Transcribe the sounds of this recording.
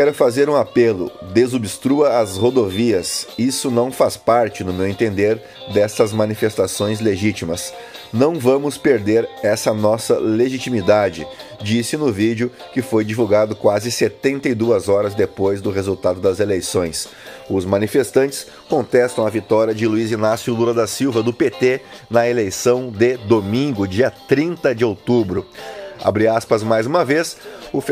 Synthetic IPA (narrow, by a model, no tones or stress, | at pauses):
kɛɾʊfazeɾũapelʊ̰d̪ezobist̪ɾuɐːshod̪oviɐsisʊnɐ̃w̃faspaɾt͡ʃɪnʊmewẽnt̪ẽnd̪eɾ | d̪ɛsɐzmɐ̃nifest̪asõj̃zleʒit͡ʃimɐs | nɐ̃w̃vɐ̃mʊspeɾd̪eɾɛsɐnɔsɐleʒit͡ʃimid̪ad͡ʒɪd͡ʒisɪnʊvid͡ʒʊ | kɪfojd͡ʒivuɡad̪ʊkwazɪset̪ẽnt̪ɐid̪uɐzɔɾɐzd̪epojzd̪ʊɦezuwt̪ad̪ʊd̪ɐzelejsõj̃s | ʊzmɐ̃nifest̪ɐ̃nt͡ʃɪ̥s | kõnt̪ɛst̪ɐ̃w̃ɐvit̪ɔɾiɐd͡ʒɪluizinasjʊluɾɐd̪ɐsiwvɐd̪ʊpet̪enɐelejsɐ̃w̃d̪ɪd̪omĩŋɡʊd͡ʒiɐt̪ɾĩnt̪ɐd͡ʒɪowt̪ubɾʊa̰bɾiɾaspɐzmajzũmɐvesʊf